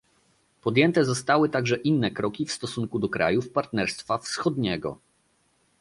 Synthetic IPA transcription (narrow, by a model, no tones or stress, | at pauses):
pɔd̪jɛnt̪ɛzɔst̪awɘt̪aɡʐɛʔinːɛkɾɔkʲifst̪ɔsuŋkud̪ɔkɾa̰jufpaɾt̪nɛɾst̪fafsxɔd̪ɲɛɡɔ̰